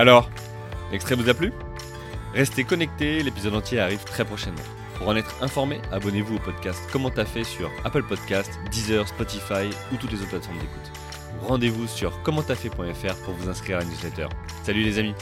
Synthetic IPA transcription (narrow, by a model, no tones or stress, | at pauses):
alɔʁ | ɛkst̪χɛvuzaply | ʁɛst̪ekɔnɛk̚t̪elepizɔd̪ɑ̃t̪jeaʁiv̥t̪χɛpχɔʃɛd̪mɑ̰̃ | puʁɑ̃nɛt̪χɛ̃fɔʁmeabɔnevuopɔd̪̚kʲast̪kɔmɑ̃t̪afɛsy̰ʁapəlpɔd̪kʲast̪d̪izœʁspɔt̪ifajut̪ut̪lezot̪plat̪fɔʁmd̪eku̥t̪ | ʁɑ̃d̪evusyʁkɔmɑ̃t̪afɛpwɛ̃ɛfɛʁpuʁvuzɛ̃skχiʁanjuzlɛt̪œ̰ːʁ | salylezami